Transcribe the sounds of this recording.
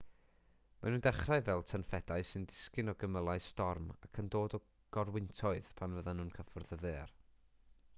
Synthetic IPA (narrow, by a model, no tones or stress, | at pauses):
manuːndɛχraɨvɛlˠtʰənfɛd̥aɨsɨndɪ̥skɪnɔɡəməlˠaɨstɔrmakʰəndoːdɔ | ɡ̥ɔrwɪntʰɔɨð̥pʰanvəðanuːnkʰəfɔrðəðeːr